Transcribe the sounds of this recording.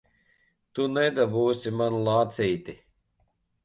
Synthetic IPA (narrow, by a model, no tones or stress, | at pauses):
t̪unɛd̪abuːsʲimanlˠaːt̪sijt̪i